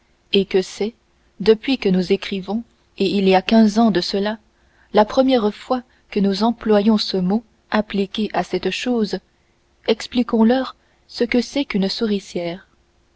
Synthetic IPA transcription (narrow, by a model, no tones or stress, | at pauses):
ekəsɛ | d̪əpɥikənuzekχivɔ̃ | eiliakʲɛ̃zɑ̃d̪əsəla | lapχəmjɛʁfwa | kənuzɑ̃plwajɔ̃səmo | aplikʲeʔasɛt̪ʃoːz | ɛksplikɔ̃lœːʁ | səkəsɛkynsuʁisjɛːʁ